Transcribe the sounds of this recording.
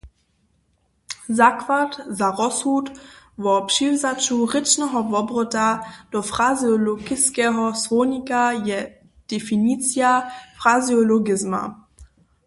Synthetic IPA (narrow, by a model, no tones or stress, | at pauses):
zakvatzaʁɔsutvɔpʂivzat͡ʃurɪt͡ʃnɛɦɔvɔbrɔtad̥ɔfʁaziɔlɔɡɪskɛːɦɔsvɔwɲikajɛ | d̥ɛfinit͡siafʁaziɔlɔɡɪzma̰